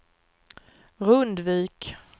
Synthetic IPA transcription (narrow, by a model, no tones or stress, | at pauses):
ɾɵnd̪viːk